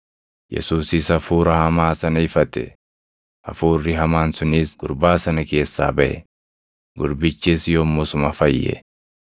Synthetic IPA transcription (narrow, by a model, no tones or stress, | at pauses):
jɛ̰suːsɪsɐfuːɾɐhɐmaːsɐnɐɪfɐt̪ɛ̰ | ɐ̰fuːrːɪɦɐmaːnsʊniːsɡ̥ʊɾbaːsɐnɐke̞ːsːa̰ːbɐʔɛ̰ | ɡʊɾbɪt͡ʃːiːsjoːmːɔsʊmɐfɐjːɛ̰